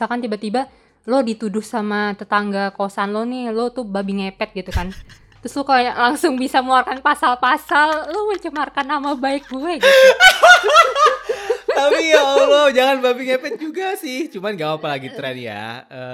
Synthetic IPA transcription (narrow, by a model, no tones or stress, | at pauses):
sakant̪ibat̪iba | lodit̪udʊhsamat̪ət̪aŋɡakosanlonɪhlot̪ubabiŋepɛt̪̚ɡit̪ukan | t̪ɾʊslokaljalaŋsʊŋbisaməuarkanpasalpasalloməɲt͡ʃəmarkanːamabaɪk̚buɛɡ | t̪apijaolod͡ʒaŋanbabiŋepɛt̪̚d͡ʒuɡasɪht͡ʃumanɡaapalaɡit̪ɾɛnja̰ | ə